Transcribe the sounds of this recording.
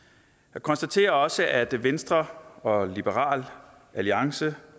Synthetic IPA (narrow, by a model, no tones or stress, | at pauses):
jɑ̈ɪkʰɒ̽nsd̥æt͡sʰe̝̰ːɐɒ̽səʔæd̥ʋensd̥ʁɐɒ̽lib̥əʁɑ̰̈ːl | ʔæliɑ̈ŋsə